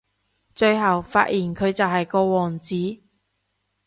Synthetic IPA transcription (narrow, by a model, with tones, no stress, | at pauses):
t͡ʃɵ˧ɥɦɐ˨wfa̰ː˧t̚jʔiː˨˩nkʰɵ˨˧ɥt͡sɐ˨wɦɐ˨jkɔː˧wɔː˨˩ŋt͡siː˨˥